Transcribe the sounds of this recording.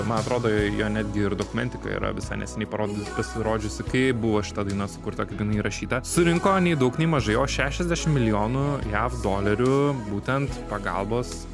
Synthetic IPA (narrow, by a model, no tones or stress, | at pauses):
mɐnɐt̪ɾoːd̪oːjoːnʲæːd̪ʲɡʲɪɪɾd̪oːkʊmʲɛnʲt̪ʲɪkɐ̰ḭɾɐ̰ʋʲɪsɐɪnʲɛ̰sʲɛnʲɛɪpɐɾoːd̪ʲɪpɐsʲɪɾoːd͡ʒʲʊsʲɪkɐɪbʊʋoːʃʲɪ̥t̪ɐd̪ɐɪnɐsʊ̥kʊɾt̪ɐkʲɐɪd̪ɐɪnɐiɾʔɐʃʲiːt̪ɐsʊɾʲɪŋkoːnʲɛɪd̪ɐʊknʲɛɪmɐʒɐɪoːʃʲæːʃʲɛzʲdʲæːʃʲɪmmʲɪlʲɪjoːnʊjæːfd̪oːlʲɐɾʲʊbuːt̪ʲɛnt̪pɐɡɐ̰lˠboːs